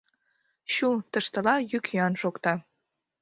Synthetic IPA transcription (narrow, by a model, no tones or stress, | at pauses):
ɕut̪ə̆ʃt̪ə̆lɑjykʰjøɑnʃokt̪ɑ